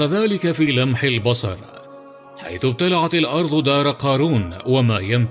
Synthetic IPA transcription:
aðaːlɪkafiːlamħɪlbɑsˤɑ̰ɾˤ | ħa̰jθʊb̚t̪alaʕat̪alʔɑɾˤd̪ˤʊd̪ɑːɾˤqɑːɾuːnwamaːjam

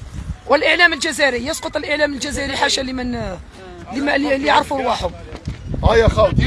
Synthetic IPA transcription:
wəlʔəʕlæməlʒæzæɾijəsqot̪ˤəlʔəʕlæməlʒæzæɾiħaʃælmən | limælljəʕɾfuɾwaħʊmhæjæxɑt̪

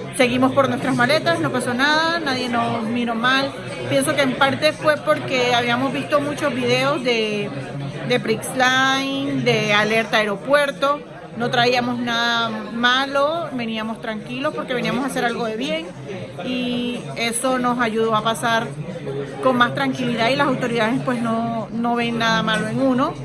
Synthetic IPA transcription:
se̞ɣimo̞spo̞ɾnwest̪ɾazmale̞t̪asno̞paso̞naðanaðje̞no̞smiɾo̞mal | pje̞nso̞ke̞ːmpaɾt̪e̞fwe̞po̞ɾke̞aβiamo̞zβist̪o̞mut͡ʃo̞zβiðe̞o̞zðe̞ | d̪e̞pɾikslajnd̪e̞ale̞ɾt̪aːeɾo̞pwe̞ɾt̪o̞ | no̞t̪ɾaiamo̞snaðamalo̞be̞niamost̪ɾaŋkilo̞spo̞ɾke̞βe̞niamo̞sase̞ɾalɡo̞ðe̞βje̞ŋ | i | e̞so̞no̞saʝuð̞o̞apasaɾ | ko̞ŋmast̪ɾaŋkiliðailasawt̪o̞ɾiðað̞e̞spwe̞sno̞no̞βe̞ŋːaðamalo̞eŋuno̞

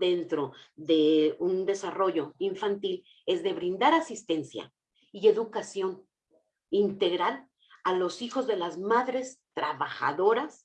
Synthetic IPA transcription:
d̪e̞nt̪ɾo̞ðe̞und̪e̞saro̞ʝo̞iɱfant̪il | e̞zðe̞βɾĩnd̪aɾasist̪e̞nsja̰ | ie̞ðukasjo̞n | int̪e̞ɣɾal | alosixo̞zðe̞lazmaðɾe̞st̪ɾaβaxa̰ðo̞ɾas

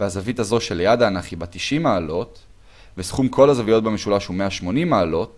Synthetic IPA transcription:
veazavit̪azo̞ʃeljad̪aːnaχibat̪iʃimaːlo̞t | vesχumkʰo̞lazavijot̚bemeʃulaʃhumeaʃmo̞nimaːlo̞t

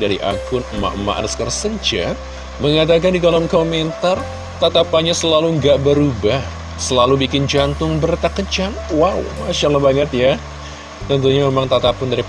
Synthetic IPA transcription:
daɾiʔa̰kʊnma̰ʔma̰ʔnəskərsəd͡ʒa̰ | məŋat̪̬ak̬andikalɔmkoment̪ar | t̪at̪apaɲasəlaluŋɡaʔbəɾubah | səlalubikɪnd͡ʒant̪ʊŋbərt̪akət͡ʃaŋwaw̰maʃalabaŋət̪ja | t̪ənt̪uɲamemaŋt̪at̪apʊndaɾi

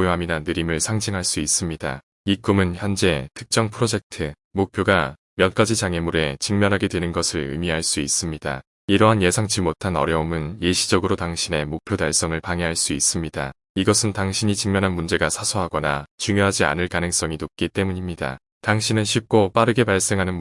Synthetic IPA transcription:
ojoɦaminanɯɾimɯɭsʰaŋd͡ʑiŋɦaɭs͈uis͈ɯmɲida̰ | ik͈umɯnçjʌnd͡ʑe̞tʰɯ̥k̚t͡ɕ͈ʌŋpʰɯɾod͡ʑe̞k̚tʰɯ | mok̚pʰjoɡa | mjʌnk͈ad͡ʑit͡ɕaŋe̞muɾe̞t͡ɕɯŋmjʌnɦaɡe̞dwe̞nɯnɡʌsʰɯɭɯ̰miɦaɭs͈uis͈ɯmɲida̰ | iɾʌɦanje̞sʰaŋt͡ɕimotʰanʌ̰ɾjʌomɯnjeɕʰid͡ʑʌɡɯɾotaŋɕʰine̞mok̚pʰjodaɭs͈ʌŋɯɭpaŋeɦaɭs͈uis͈ɯmɲida̰ | iɡʌsʰɯntaŋɕʰiɲit͡ɕɯŋmjʌnɦanmund͡ʑe̞ɡasʰasʰoɦaɡʌna̰t͡ɕuŋjoɦad͡ʑia̰nɯɭkanɯŋs͈ʌŋinop̚k͈it͈e̞muɲimɲida̰ | taŋɕʰinɯnɕʰip̚k͈op͈aɾɯɡe̞paɭs͈e̞ŋɦanɯn

